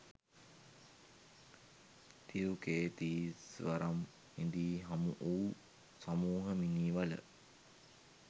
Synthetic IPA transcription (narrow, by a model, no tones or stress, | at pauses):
t̪iɾukeːt̪iːsʋaɾam | hind̪iːɦamuʔuː | samuːɦəminiːʋalə̰